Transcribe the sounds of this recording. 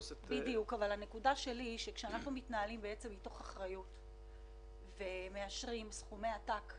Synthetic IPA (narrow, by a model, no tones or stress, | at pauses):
bidijukavalanekudaʃe̞liʃekʃeanaχnumitnaalimbeet͡se̞mito̞χaχʁajut | ve̞me̞aʃʁimsχume̞jatak